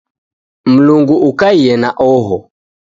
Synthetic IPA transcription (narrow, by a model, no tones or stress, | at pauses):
m̩luŋɡuʔukaijɛnaʔɔɦɔ